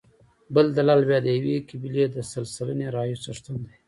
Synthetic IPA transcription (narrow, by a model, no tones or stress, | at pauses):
bəld̪alɑlbjɑd̪əjawekibiled̪əsalsələneɾɑjisaʂt̪und̪a